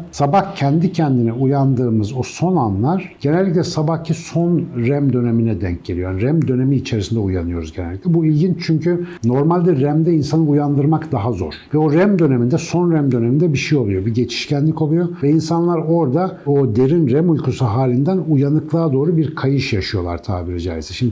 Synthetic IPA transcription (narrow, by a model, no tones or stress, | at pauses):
sabahcʰɛnd̪icʰɛnd̪inɛujand̪ɯːmɯzo̞so̞nanlˠaɾ̥ɟ̥e̞nɛlʲːic̬lʲɛsabahcʰiso̞nɾɛmd̪ø̞neminɛd̪ɛ̰ɲc̚ɟe̞lʲiojaniɾɛmd̪ø̞ne̞miːt͡ʃʰe̞ɾisind̪ɛuja̰nɯjo̞ɾuzɟe̞nɛlʲːiclʲɛbuilʲɟint͡ʃʰyɲcʰyno̞ɾmalʲd̪ɛɾæmd̪ɛinsanɯujand̪ɯɾmakd̪aɦazo̞̰ɾ̥vɛo̞ɾæmd̪ø̞ne̞mind̪ɛso̞nɾæmd̪ø̞nemind̪ɛbiʃejo̞lˠujo̞biɟe̞t͡ʃʰi̥ʃcænlʲico̞lˠujo̞vɛinsanlˠaɾo̞ɾd̪aod̪e̞ɾinɾɛmulʲkʰusuɦaːlʲind̪ænujanɯklˠaːd̪o̞ːɾubiɾkʰajɯʃjaʃɯjo̞lˠa̰ɾt̪ʰa̰ːbiɾid͡ʒa̰ːjisɛʃimd̪